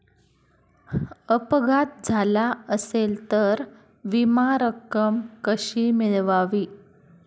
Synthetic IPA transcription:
əpɡʱat̪̚d͡zʱalaəselt̪əɾ | ʋimaɾəkːəmkəɕiːmiɭʋaʋiː

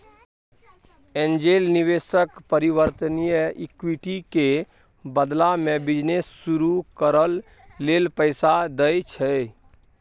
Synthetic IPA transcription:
end͡ʒelniʋesəkpəɾiʋəɾt̪ənijəikwiʈike | bəd̪lamebid͡ʒnesːuɾukəɾəlː | elpəɪsad̪əjt͡ʃʰɛ

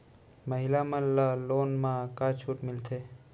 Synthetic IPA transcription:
məɦɪlaməllaloːnmãkaːt͡ʃʰuːʈmɪlt̪ʰeː

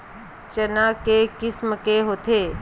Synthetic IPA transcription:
t͡ʃənaːkekɪsməkeɦoːt̪eː

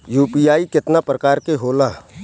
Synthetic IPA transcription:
juːpiːaːikɪt̪napɾɐkaːɾkeɦoːlaː

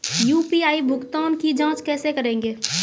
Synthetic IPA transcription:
juːpiaːibʱʊkt̪aːnkid͡ʒãːt͡ʃkɛːsekəɾẽːŋɡeː

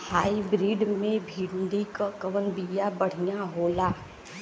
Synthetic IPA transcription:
haːibɾiːɖmẽbʱiːnɖ̪ikakɐʋənbijabɐɽ̤ijaɦoːlaː

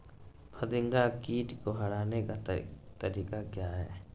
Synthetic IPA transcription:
pʰəd̪ɪ̃ŋɡakiːʈkoɦɐɽaːnekat̪əɾiːkakɪjaɦɛ̰ː

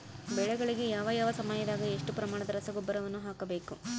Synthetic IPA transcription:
bɛɭɛɡɐɭiɡe̞jaːʋɐjaːʋɐsɐmɐjɐd̪aːɡɐeʂʈupɾɐmaːɳɐd̪ɐɾɐsɐɡɔbːɐɾɐʋɐnːuɦaːkɐbe̞ːku

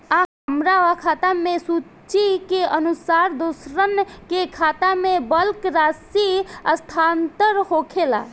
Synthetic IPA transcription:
aɦəmɾaʋakʰaːt̪amẽsuː | t͡ʃikeənusaːɾd̪osɾənkekʰaːt̪amẽbəlkɾaːsiəst̪ʰaːnt̪əɾɦoːkʰela̰

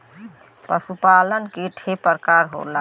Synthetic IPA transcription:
pəsupalənkiʈʰepəɾkaɾɦo̰la

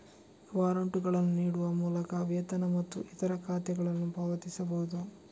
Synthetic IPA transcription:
ʋaːɾɐɳʈuɡɐɭɐnːuniːɽuʋɐmuːlɐkɐʋjɐt̪ɐnɐmɐt̪ːuʔit̪ɐɾɐkʰaːt̪ɛɡɐɭɐnːubʱɐːʋɐt̪isɐbɐɦud̪u

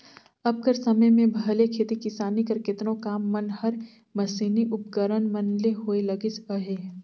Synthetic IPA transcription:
ɐb̚kəɾsɐməjmẽbʱɐlekʰeːt̪ikɪsaːnikɐɾkɪt̪nõkaːmːɐnhɐɾ | mɐsiːniʔʊp̚ɡəɾənmɐnleɦoːelɐɡɪsəɦeɦɛ

